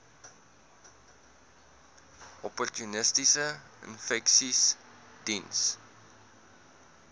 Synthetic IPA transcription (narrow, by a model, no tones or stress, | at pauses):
ɔpɔrtjunɪstisəə̰̃nfɛksis | d̥ins